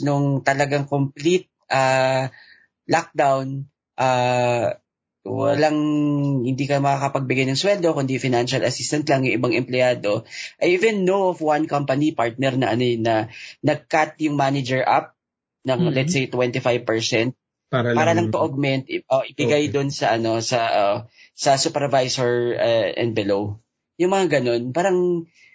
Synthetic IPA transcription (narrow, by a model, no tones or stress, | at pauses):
nʊŋt̪ɐlɐɡaŋkomplit̪̚ʔaː | lak̚d̪awn | ʔaː | wɐ̰laŋhɪnd̪iːkɐmɐkakɐpɐɡ̚bɪɡajnɐŋswɛld̪o̞kʊnd̪ifɪnanʃɐlʔɐsist̪ɐnt̪lɐŋjʊŋʔɪbaŋʔɛmplɪjaːd̪oʔɐjivɛnːowofwankɐmpɐnipaɹt̪̚nɛɾnɐʔɐnonɐnɐɡ̚kat̪̚jʊŋmanɪd͡ʒɛɹʔap̚ | nɐŋlɛt̪sejt̪wɛnt̪ɪfajv̚pɛɹsɛnt̪̚ | aɾpaːɾɐlɐŋt̪oʔoɡ̚mɛnt̪ʔoʔɪbɪɡajd̪ʊnsɐʔɐno̞sɐʔ | sɐsupɛɹvajsoɹɐʔɛ̰̃nd̪̚bɛlow | jʊŋmɐŋaɡɐno̞npaːɾɐŋ